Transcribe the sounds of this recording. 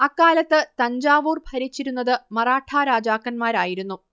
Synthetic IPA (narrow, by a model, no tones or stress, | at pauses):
ɐkːaːlɐt̪ːɨt̪ɐɲd͡ʑaːʋuːrbʱɐɾit͡ɕːiɾunːɐðɨmɐraːʈʰaːɾaːd͡ʑaːkːɐnmaːɾaːjiɾunːu